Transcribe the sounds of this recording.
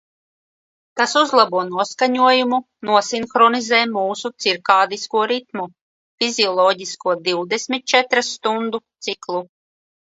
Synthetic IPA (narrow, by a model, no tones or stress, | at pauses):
t̪asuzlˠabuɔnuɔskaɲuɔjumu | nuɔsinxɾɔnizɛːmuːsut̪siɾkaːd̪iskuɔɾit̪̚mu | fiziɔlˠɔːɟiskuɔd̪iwd̪ɛsmit̪̚t͡ʃɛt̪ɾasːt̪und̪ut̪siklˠu